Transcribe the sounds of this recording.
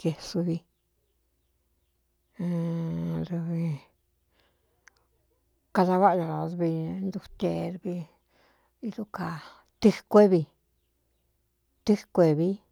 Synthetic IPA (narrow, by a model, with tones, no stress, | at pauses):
ke˧su˧βi˧ | ɾu˧βi˧ | ka˧ða˧βa˦˧ja˧˨a˨˧βi˧nd̪u˧t̪e˧ɾβi˧ | i˦ðu˦ka˨ | t̪ɨ˦kʷe˦βi˧ | t̪ɨ˦kʷe˧βi˦